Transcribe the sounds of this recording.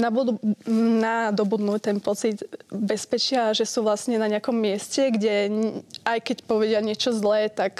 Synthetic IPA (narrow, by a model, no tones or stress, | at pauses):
nabud̪unad̪ɔbud̪nuct̪ɛnpɔt͡sid̪bɛspɛt͡ʃɪaʒɛsuːʋlasɲɛnaɲɛakɔmːɪɛscɛɡɟɛ | ajkɛcpɔʋɛɟɪaɲɪɛt͡ʃɔzlɛːt̪ak